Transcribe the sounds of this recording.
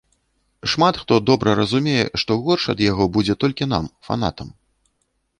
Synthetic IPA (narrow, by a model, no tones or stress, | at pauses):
ʂmat̪xt̪ɔd̪ɔbɾɐɾɐzumʲejɛ̰ʂt̪ɔɣɔrʂɐ̰d̪jaɣɔbud͡zʲɛt̪ɔlʲkʲina̰mfa̰na̰t̪ɐm